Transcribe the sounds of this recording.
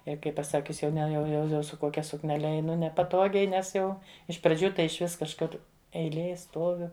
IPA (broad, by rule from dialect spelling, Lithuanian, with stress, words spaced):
ˈjɛɪ kɐɪ pɐˈsɑːkʲʊs jɛʊ ˈnʲɛ jɛʊ jɛʊ ˈjɛʊ sʊ ˈkoːkʲɛ sʊknʲɛˈlʲɛ ɛɪˈnʊ nʲɛpɐˈtoːɡʲɛɪ ˈnʲɛs ˈjɛʊ ɪʃ prɐˈd͡ʒʲuː ˈtɐɪ ɪʃʲˈʋʲɪs kɐʃˈkʊr ɛɪˈlʲeːj ˈstuɔʋʲʊ